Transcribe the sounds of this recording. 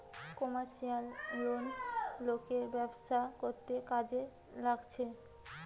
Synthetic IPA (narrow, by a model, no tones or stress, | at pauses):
kɔmaɾʃialonlokeɾbɛbʃakoɾt̪ekad͡ʑe | laɡt͡ɕʰe